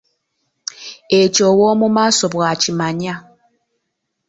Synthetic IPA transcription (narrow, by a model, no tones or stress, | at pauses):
et͡ʃʼɔwɔmumasɔbwat͡ʃimaɲa